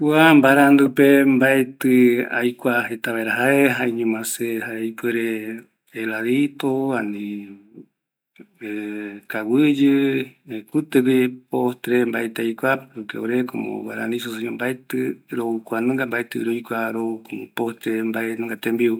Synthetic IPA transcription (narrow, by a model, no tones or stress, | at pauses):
kwambaɾand̪ɨpembaet̪ɨajkʷahet̪aβaeɾaɦaeɦaeɲũmãsehaeajpueɾe | elaðit̪oani | ekawɨd͡ʒɨekut̪ɨβipost̪ɾembaet̪eajkʷaɾukeoɾeko̰mo̰waɾa̰nĩs̬oseɲõmbaet̪ɨɾoukʷanɨ̃ŋɡambaet̪ɨ̰ɾojkʷaɾokupost̪ɾembaenɨ̃ŋɡat̪embiu